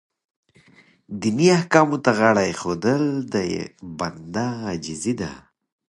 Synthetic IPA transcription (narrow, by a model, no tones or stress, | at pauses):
d̪iniahkɑːmut̪aɣaɽajxod̪əld̪ajḛband̪aːd͡ʒizid̪a̰